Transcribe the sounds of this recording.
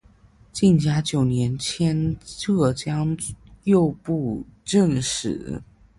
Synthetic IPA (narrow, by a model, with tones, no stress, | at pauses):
t͡ɕi˥˩nt͡ɕja˥t͡ɕjo˨˩ʊnjɛ˧˥nt͡ɕʰjɛ˥nʈ͡ʂɤ˥˩t͡ɕjɑ˥ŋjo˥˧ʊpu˥˧ʈ͡ʂə˥˩nʂɻ̩˨˩˦